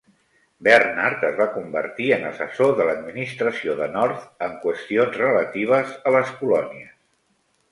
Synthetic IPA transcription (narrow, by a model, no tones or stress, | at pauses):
bərnaɾt̪əzβakumbə̰ɾt̪iənəsəsoðələd̪minist̪ɾəsioðənɔɾt̪əŋkwəst̪ionzrələt̪iβ̞əzələskulɔniəs